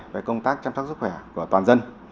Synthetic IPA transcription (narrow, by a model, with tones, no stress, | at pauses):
ve˨˩kə˧wŋ͡mt̪aː˦˥k̚t͡ɕa˧ms̚su˦˥xwɛ˧˩ku˧˩ət̪waː˨˩nzə˧n